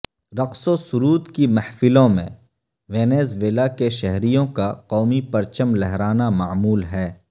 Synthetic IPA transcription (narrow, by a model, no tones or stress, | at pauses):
ɾɐqsosʊɾuːd̪kimɐhfɪlõmḛ̃ | ʋeːneːzʋeːlakeʃɛɦɾijõkaqɔːmipɐɾt͡ʃəmlɛɦɾaːnamaːmuːlɦɛː